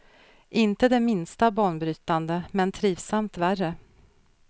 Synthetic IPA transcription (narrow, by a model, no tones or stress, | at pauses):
ʔɪnt̪əd̪ɛmɪnst̪abɑːɳbɾyːt̪and̪əmɛnt̪ʰɾiːvsamt̪værə